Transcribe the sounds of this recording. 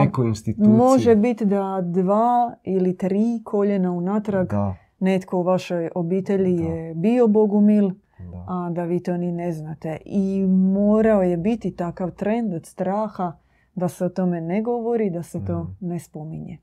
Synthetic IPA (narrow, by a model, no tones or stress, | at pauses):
ekoinst̪imo̞ʒebit̪d̪ad̪ʋaːilit̪ɾiːkʰo̞ʎenaunat̪ɾaɡ | net̪ko̞uʋaʃojo̞biːt̪e̞ʎijebio̞boɡumil | ad̪aʋiːt̪o̞ːnineznat̪e̞imo̞ːɾaojebit̪it̪akaʋt̪ɾe̞nd̪od̪̥st̪ɾaːxa | d̪aseot̪o̞me̞neɡo̞ʋo̞ɾid̪aset̪o̞ːnespomiɲe